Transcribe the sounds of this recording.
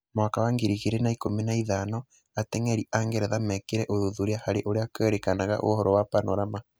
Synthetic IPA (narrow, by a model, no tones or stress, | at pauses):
mwakawaŋɡeɾiɣeɾenaikominaiðanɔ | atɛŋɛɾiʔaŋɡɛɾɛðamɛkeɾɛʔoðuðuɾeahaɾeʔoɾeakɛɾekanaɣa̰ʔo̰hɔɾɔwapanɔɾama